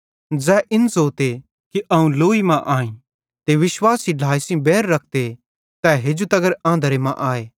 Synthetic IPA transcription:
d͡zɛːʔɪnsoːt̪e | kiʔɐũloːimãʔaːĩ | t̪eʋɪswaːsiɖʱaːisĩbɛːɾːɐk̚ʰt̪e | t̪ɛɦeːd͡ʒut̪ɐɡəɾãːnd̪əɾemãʔaːeː

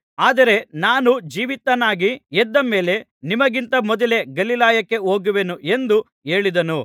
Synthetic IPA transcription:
aːd̪ɐɾe̞naːnud͡ʒiːʋit̪ːɐnaːɡiɛd̪ːɐme̞ːle̞nimɐɡint̪ɐmɔd̪ɐle̞ɡɐlilaːjɐkːe̞o̞ːɡuʋe̞nuʔend̪u | e̞ːɭid̪ɐnu

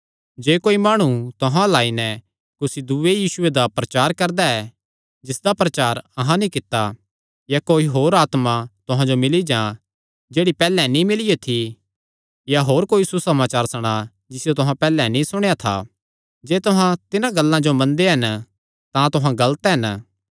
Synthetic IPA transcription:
d͡ʒeːkoːimaːɽ̃ut̪ʊɦãlaːinɛ | kʊsid̪uejiːsʊed̪apɾɐt͡ʃaːɾkɐɾd̪aɛ | d͡ʒɪsd̪apɾɐt͡ʃaːɾɐɦãnĩkɪt̪ːa | jakoːiɦoːɾaːt̪mat̪ʊɦãd͡ʒomɪlid͡ʒã | d͡ʒeːɽipɛːlɛnĩmɪlijet̪ʰi | jaɦoːɾkoːisusɐmaːt͡ʃaːɾsɐɽ̃a | d͡ʒɪsɪjot̪ʊɦãpɛːlɛnĩsʊɽ̃ejat̪ʰa̰ | d͡ʒeːt̪ʊɦãt̪ɪnãɡɐlːãd͡ʒomɐ̃nd̪eɦɐn | t̪ãt̪ʊɦãɡɐlt̪ɦɐn

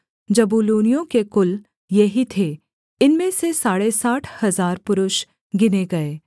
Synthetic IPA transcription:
d͡ʒɐbuːluːnijõkekʊl | jɐɦit̪ʰe | ɪnmẽsesaːɽesaːʈʰhɐzaːɾpʊɾʊʃ | ɡɪneɡɐeː

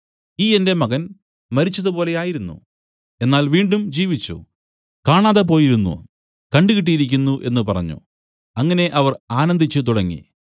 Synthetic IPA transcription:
iːe̞nde̞mɐɣɐn | mɐɾit͡ɕːɐðupo̞ːle̞jaːjiɾunːṵ | enːaːlʋiːɳɖumd͡ʑiːʋit͡ɕːṵ | kaːɳaːðep̬o̞ːjiɾunːṵ | kɐɳɖɨɣiʈ̬ːijiɾikʲːunːuʔe̞̰nːɨpɐrɐ̰ɲːṵ | ɐŋːɐne̞ʔɐʋɐraːnɐnd̪ʱit͡ɕːɨt̪̬uɽɐŋːḭ

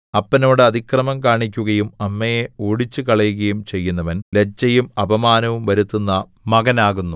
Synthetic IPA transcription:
ɐpːɐno̞ːɽɨɐd̪ʱikrɐmɐmkaːɳik̬ʲːuɣɐjumɐmːɐjeoːɽit͡ɕːukɐɭɐjuɣɐjumt͡ɕe̞jːunːɐʋɐnled͡ʑːɐjumɐbʱɐmaːnɐʋumʋɐɾut̪ːunːɐ | mɐɣɐnaːɣunːu

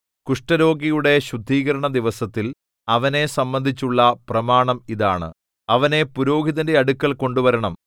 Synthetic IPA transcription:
kuʂʈɐɾo̞ːɡijuɽe̞ɕud̪ʱːiːɣɐɾɐɳɐd̪iʋɐsɐt̪ːil | ɐʋɐne̞sɐmbɐnd̪ʱit͡ɕːuɭːɐprɐmaːɳɐmiðaːɳɨ̰ | ɐʋɐne̞puɾo̞ːɡiðɐndeɐɽukːɐɭko̞ɳɖuʋɐɾɐɳɐm

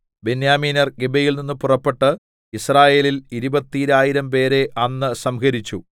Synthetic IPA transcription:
be̞njaːmiːnɐrɡebejilninːɨpurɐpːe̞ʈːɨ | israːje̞ːliliɾubɐt̪ːiɾaːjiɾɐmpe̞ːɾe̞ʔɐnːɨsɐmkɐɾit͡ɕːu

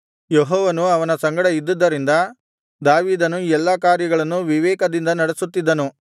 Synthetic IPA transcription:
jɔɦɔːʋɐnuɐʋɐnɐsɐŋɡɐɽɐid̪ːud̪ːɐɾind̪ɐ | d̪aːʋiːd̪ɐnuɛlːɐkaːɾjɐɡɐɭɐnːuʋiʋɛːkɐd̪ind̪ɐnɐɽesut̪ːid̪ːɐnu

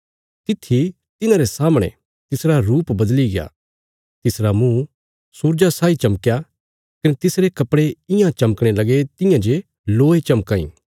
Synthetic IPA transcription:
t̪ɪt̪ʰːi | t̪ɪnãɾesaːmɽ̃ḛ̃ | t̪ɪsɾaɾuːpbɐd̪liɡea̰ː | t̪ɪsɾamũ | suːɾd͡ʒasaːit͡ʃɐməkja | kɐnet̪ɪsɾekɐpɽeɪ̃jãt͡ʃɐməkɽ̃elɐɡet̪ɪ̃jãd͡ʒe | loːet͡ʃɐmkãːḭ̃ː

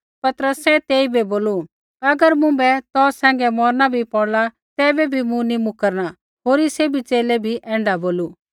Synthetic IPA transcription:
pɐt̪əɾəsːɛt̪eːibɛboːlu | ɐɡəɾmʊ̃bɛt̪ɔːsɛ̃ːŋɡɛmɔːɾnabʱipɔɽla | t̪ɛːbɛbʱimũnimʊkəɾna | ɦoːɾisebʱit͡ʃeːlɛbʱiʔɛ̃ːɳɖaboːlu

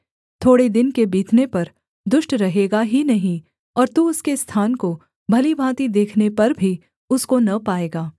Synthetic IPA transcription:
t̪ʰoːɽed̪ɪnkebiːt̪ʰnepɐɾ | d̪ʊʃʈɾɐɦeːɡaɦinɐɦĩ | ɔːɾt̪uʊskest̪ʰaːnko | bʱɐlibʱãːt̪id̪eːkʰnepɐɾbʱi | ʊskonɐpaːeːɡaː

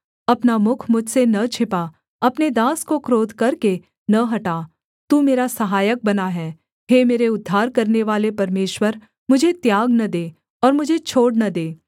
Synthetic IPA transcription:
ɐpnamʊkʰmʊd͡ʒʱsenɐt͡ʃʰɪpa | ɐpned̪aːskokɾoːd̪ʱkɐɾke | nɐɦɐʈaː | t̪uːmeːɾasɐɦaːjək̚bɐnaɦɛː | ɦeːmeːɾeʊd̪ʱːaːɾkɐɾneʋaːlepɐɾmeːʃwəɾ | mʊd͡ʒʱet̪jaːɡnɐd̪eː | ɔːɾmʊd͡ʒʱet͡ʃʰoːɽnɐd̪eː

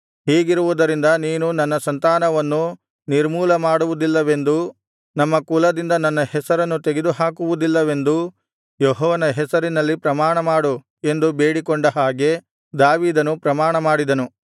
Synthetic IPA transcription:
ɦiːɡiɾuʋud̪ɐɾind̪ɐniːnunɐnːɐsɐnt̪aːnɐʋɐnːu | niɾmuːlɐmaːɽuʋud̪ilːɐʋe̞nd̪u | nɐmːɐkuːlɐd̪ind̪ɐnɐnːɐhɛsɐɾɐnːut̪e̞ɡe̞d̪uɦaːkuʋud̪ilːɐʋe̞nd̪u | jɔɦɔːʋɐnɐɦɛsɐɾinɐlːipɾɐmaːɳɐmaːɽu | e̞nd̪ubeːɽikɔɳɖɐɦaːɡe̞ | d̪aːʋiːd̪ɐnupɾɐmaːɳɐmaːɽid̪ɐnu

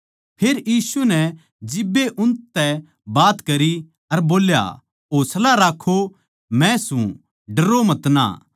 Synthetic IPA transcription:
pʰeːɾjiːsunɛ | d͡ʒɪbːeʔʊ̃nt̪ɛ | baːt̪kɐɾi | ɐɾboːlja̰ | ɦoːslaɾaːkʰo | mɛ̃sũ | ɖɐɾomɐt̪na̰ː

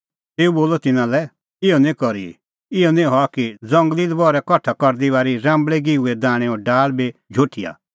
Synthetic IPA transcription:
t̪eːuboːlɔt̪ɪnãlɛ | ɪjɔnẽkɔɾḭ | ɪjɔnẽɦɔakid͡zɐ̃ŋɡlid̪bɔːɾɛkɔʈʰakɔɾd̪iʋaːɾiɾãːmbɭɛɡiuɛd̪ãːɽ̃ẽɔːɾɖaːlbed͡ʒʱoːʈʰija̰ː

